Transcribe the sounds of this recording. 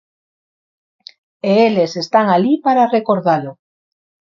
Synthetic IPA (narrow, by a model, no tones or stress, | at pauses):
eelesest̪aŋalipaɾarekoɾðalo